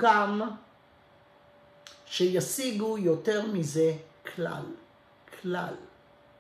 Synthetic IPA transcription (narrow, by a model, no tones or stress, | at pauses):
kam | ʃejasiɡujo̞te̞ʁmize̞kʰla̰l | kʰla̰l